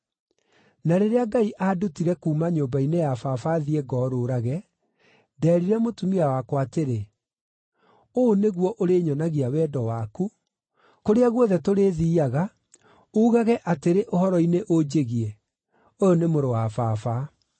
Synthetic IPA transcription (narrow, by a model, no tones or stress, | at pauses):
naɾeɾeaɡaiʔaːdutiɾɛkuːmaɲoːmbainejafafaðiɛɡɔːɾoɾaɣɛ | dɛːɾiɾɛmotumiawakwateɾe | oneɣwɔʔoɾeːɲɔnaɣiawɛːdɔwaku | koɾeaɣwɔðɛtoɾeːðiːaɣa | ouɣaɣɛʔateɾeʔohɔɾɔineʔod͡ʑeɣiɛ | ojonemoɾowafaːfa